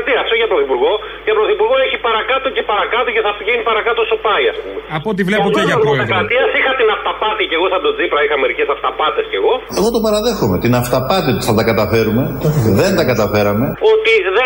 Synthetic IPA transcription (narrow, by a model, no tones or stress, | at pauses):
t̪iɐft̪oʝɐpɾoθipuɾɣo̞ | ʝɐpɾoθipuɾɣo̞e̞çipɐɾɐkɐt̪oce̞pɐɾɐkɐt̪oce̞θɐfʝenipɐɾɐkɐt̪osopɐiɐspumeɐpot̪ivleɐoɐkɐt̪iɐsixɐt̪inɐft̪ɐpɐt̪ice̞ɣo̞θɐbd̪ot͡sipɾɐixɐme̞ɾice̞sɐft̪ɐpɐt̪e̞sce̞ɣo̞e̞ɣo̞t̪opɐɾɐðe̞xome̞t̪inɐft̪ɐpɐt̪iot̪i̥θɐt̪ɐkɐt̪ɐfe̞ɾume̞ðe̞nd̪ɐkɐt̪ɐfe̞ɾɐme̞o̞t̪iðe